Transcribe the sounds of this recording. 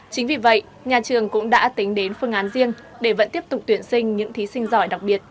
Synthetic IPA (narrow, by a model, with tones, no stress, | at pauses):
t͡ɕï˨˦ŋ̟vi˨˩və̰˧˨jʔ | ɲaː˨˩t͡ɕɨ˨˩əŋkʊ̰˧˥ŋ͡mɗa̰ː˧˥t̪ï˨˦ŋ̟ɗe˨˦nfɨ˧əŋʔaː˨˦nzi˧əŋ | ɗe˧˩və̰˧˥nt̪i˦˥əp̚t̪ʊ˨˩k͡p̚t̪wi˧˩ənsï˧ŋ̟ɲɨ̰˧˥ŋt̪ʰi˨˦sï˧ŋ̟zɔ˧˩jɗa˨˩k̚ɓi˨˩ət̚